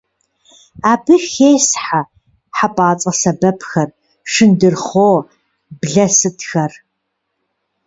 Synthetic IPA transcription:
aːbɨxeːsħa | ħapʼaːt͡sʼɐsɐbɐpʰxɐr | ʂɨndɨrχoː | bɮɐsɨtxɐr

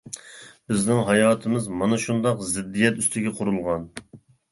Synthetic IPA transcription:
bɪznɪŋɦɑjɑːt̪ʰɨmɨzmɑnɑʃund̪ɑqzɪd̪ːijɛt̪yst̪ʰɪɡʲɛqʰʊɾulˠʁɑn

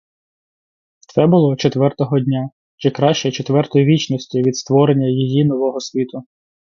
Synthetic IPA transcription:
t̪sɛbʊlˠɔt͡ʃet̪ʋɛrt̪ɔɦɔdʲnʲa | t͡ʃɪkɾɑʃt͡ʃɛt͡ʃet̪ʋɛrt̪ɔjiʋʲit͡ʃnɔsʲtʲiʋʲid̪st̪ʋɔɾenʲːɐjijinɔʋɔɦɔsʲʋʲit̪ʊ

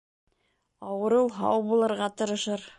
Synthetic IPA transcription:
ɑwɤ̆ɾɤwɦɑ̰wbulˠɤ̆ɾʁɑt̪ɤ̆ɾɤ̆ʃɤɾ

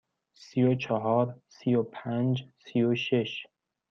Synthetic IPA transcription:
siot͡ʃʰɒɦɒːɾsijopʰænd͡ʒsijoʃeʃ

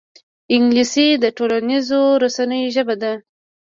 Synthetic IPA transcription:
ɪŋɡlisid̪əʈolanizoɾasanəjoʒəbad̪a

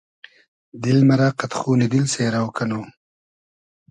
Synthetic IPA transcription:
d̪ɪlmaɾaqat̪χuːnɪd̪ɪlseːɾawkano

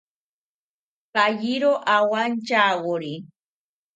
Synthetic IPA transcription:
pajiɾoʔawant͡ʃaɣoɾi

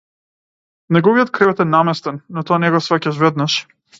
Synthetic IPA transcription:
nɛɡɔvijɔt̪̚kɾɛvɛt̪ɛnamɛst̪ɛnːɔt̪ɔanɛɡɔsvɛcaʃvɛd̪naʃ

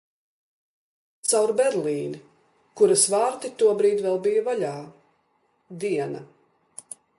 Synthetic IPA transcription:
t̪sawɾbɛɾlˠiːn | kuɾasvaːɾt̪it̪uɔbɾiːd̪vɛlˠbijavaʎaː | d̪iɛnɐ

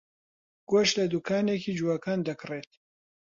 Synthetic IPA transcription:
ɡ̥oʃt̪lɐd̪ukʰaːnekiːd͡ʒuwakaːnd̪ɐkreːt̪

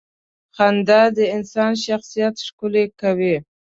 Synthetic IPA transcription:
xand̪ad̪əɪnsɑnʃaxsijat̪ʂkʊlekawi

